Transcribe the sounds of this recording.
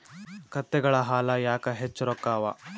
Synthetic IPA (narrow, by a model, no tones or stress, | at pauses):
kɐt̪ːɛɡɐɭɐɦaːlɐjaːkɐɦet͡ʃːɐɾɔkːaːʋɐ